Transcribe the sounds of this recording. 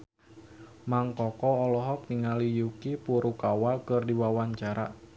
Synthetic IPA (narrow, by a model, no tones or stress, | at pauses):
maŋkɔkɔɔlɔɦɔk̚niŋalijukipuɾukawakərdiwawaɲt͡ʃaɾa̰